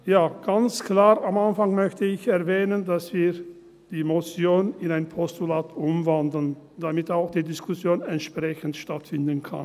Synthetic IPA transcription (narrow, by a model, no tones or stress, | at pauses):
jaːɡ̥ant͡skl̥aːʁamanfaŋmœçtəɪçɛɐvɛːnəndasv̥iːɐ | d̥iːmot͡sjoːnɪnaɪnpʰɔstulaːtʔʊmvandl̩n | d̥amɪtaʊxd̥iːdɪskʰʊsjoːnɛntʃpʁ̥ɛçn̩tʃtatfɪndən̩kʰa̰n